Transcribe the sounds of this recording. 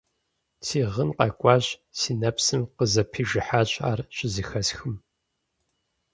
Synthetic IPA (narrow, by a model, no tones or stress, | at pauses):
sʰiːʁənqɐkʷʼɑːɕsiːnɐpsɨmqəzɐpʰiːʒɪħaːɕʼaːrɕʼɪzɨxɐsxɨm